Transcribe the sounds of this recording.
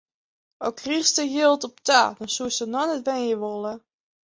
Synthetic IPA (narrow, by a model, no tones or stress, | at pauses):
ɔkʰriχstəjɪlˠtɔptʰa̰ːdɔnsuəsənɔnɛtʋɛnjəʋolˠə